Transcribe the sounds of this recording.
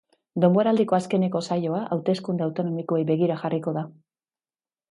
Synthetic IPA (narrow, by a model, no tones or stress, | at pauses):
d̪o̞mbo̞ɾald̪iko̞aske̞ne̞ko̞sajo̞aʔawt̪e̞skund̪eawt̪o̞no̞mikoejbe̞ɣ̞iɾaxariko̞ða